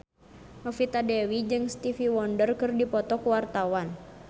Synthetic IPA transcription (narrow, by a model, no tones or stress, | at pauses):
mɔfit̪adɛwid͡ʒɨŋst̪ifiwɔndərkɨrdipɔt̪ɔkuwart̪awan